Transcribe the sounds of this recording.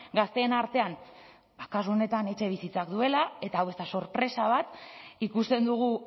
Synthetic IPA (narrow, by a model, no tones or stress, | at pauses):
ɡast̪e̞ːnaɾt̪e̞an | bakasuo̞ne̞t̪ane̞t͡ʃe̞β̞isit͡sak̚d̪ue̞lae̞t̪aːwe̞st̪aso̞ɾpɾe̞saβ̞at̪ikust̪e̞nd̪uɣ̞u